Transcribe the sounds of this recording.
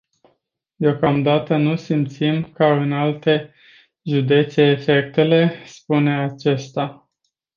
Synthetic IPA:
d̪eo̞kamd̪at̪ənusimt̪simkaɨnalt̪e̞ | ʒud̪e̞t̪se̞ːfe̞k̚t̪e̞le̞spune̞at͡ʃe̞st̪a

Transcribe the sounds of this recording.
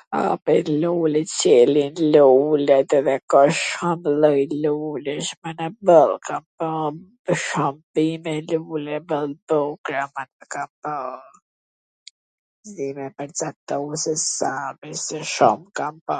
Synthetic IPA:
a̰pɛlulɛt͡ɕɛlinlulɛt̪ɛðɛkɔʃɔmləjluləʃmanɛbəlˠkampa | əʃɔmbimɛlulɛbəlˠbɔkɾamanɛkamba | zimɛpəɾd͡zat̪ːɔsɛsapɛsɛʃɔmkamba

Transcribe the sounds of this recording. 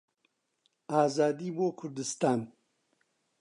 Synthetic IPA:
aːzɑːd̪ibokʰʊɾd̪ɪst̪aːn

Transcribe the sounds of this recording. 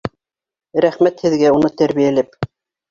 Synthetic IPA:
ɾæχmæt̪hɘ̆ðɡæunɤt̪æɾβijælɘp

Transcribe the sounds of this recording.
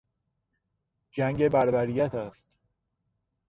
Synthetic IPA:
d͡ʒæŋɡe̞bæɾbæɾijæt̪ʰæst̪

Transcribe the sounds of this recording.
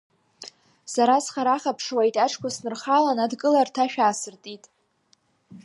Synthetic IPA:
saɾasχaɾaχapʰʂwajtʼaʈ͡ʂʰʼkʷasnɨrχalanadkʼɨlartʰaʃᶣaːsɨrtʼitʼ

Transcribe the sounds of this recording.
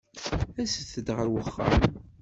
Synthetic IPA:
æsəθəd̪ʁəɾwəχːa̰m

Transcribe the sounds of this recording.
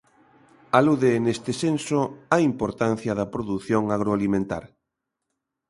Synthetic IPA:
aluðenest̪ɪsensoaimpoɾt̪an̟θjɐðɐpɾoðuθjoŋaɣ̞ɾoalimẽnt̪a̰ɾ

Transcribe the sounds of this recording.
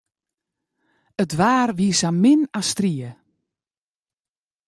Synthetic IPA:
ətʋaːrʋiəsamːɪnastriə

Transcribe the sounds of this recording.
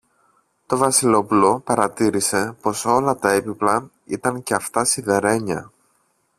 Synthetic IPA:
t̪o̞vɐsilo̞pulo̞pɐɾɐt̪iɾise̞po̞so̞lɐt̪ɐepiplɐ | it̪ɐŋce̞ɐft̪ɐsiðeɾe̞ɲɐ̰

